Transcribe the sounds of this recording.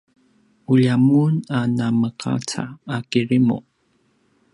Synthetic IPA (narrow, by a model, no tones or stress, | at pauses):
uʎamunanaməqa̰t͡sa̰ːkiɾimṵ